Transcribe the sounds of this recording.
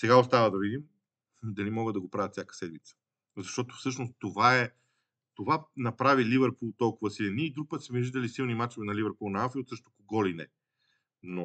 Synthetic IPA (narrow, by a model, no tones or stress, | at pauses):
sɛɡaost̪avəd̪ɐvid̪im | d̪ɐlimɔɡəd̪ɐɡopɾavət̪fsʲjakə̥sɛd̪mit̪sə̥ | zɐʃt̪ɔt̪o̥fsɤʃnost̪ovaɛ | t̪ovanɐpɾavilivɛɾpulˠt̪ɔlˠkʊvɐsilɛniːd̪ɾuk̚pɤt̪smɛʒid̪ɐlisilˠnimat͡ʃovɛnɐlivəɾpulˠnɐafiot̪sɤʃt̪o̥koɡɔlinɛ | no